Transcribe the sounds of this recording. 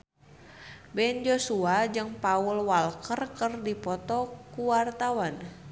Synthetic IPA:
bɛnd͡ʒosuad͡ʒɨŋpaulwalkərkərdipɔt̪ɔkuwart̪awan

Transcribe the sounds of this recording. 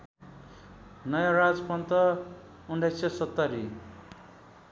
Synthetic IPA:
nʌjãɾad͡zpʌnt̪ʌ | unɖʱajsʌsʌt̪ːʌɾi

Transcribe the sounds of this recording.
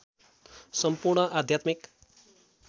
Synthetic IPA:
sʌmpurɳʌʔad̪ʱjat̪mik

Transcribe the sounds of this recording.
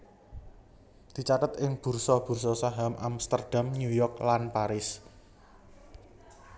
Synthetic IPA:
d̪̥i̤t͡ʃat̪ət̪ɪŋb̥ṳrsɔb̥ṳrsɔsaɦamʔamst̪ərd̥amnujɔrklanpaɾɪs

